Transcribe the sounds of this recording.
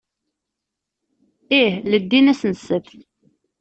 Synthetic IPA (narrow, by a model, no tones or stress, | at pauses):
ihləd̪ːinæsnəsəθ